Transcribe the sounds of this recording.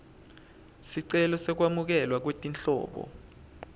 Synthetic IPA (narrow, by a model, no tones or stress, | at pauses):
siǀɛlɔsɛk̬wamuk̬ɛlwak̬wetʼint͡ɬɔ̰ːɓɔ̰